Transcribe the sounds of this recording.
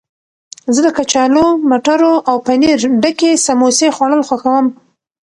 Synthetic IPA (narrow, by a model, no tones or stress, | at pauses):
zəd̪əkat͡ʃɑlomaʈaɾoʔawpaniɾɖəkesamosexwaɽəlxwaxawəm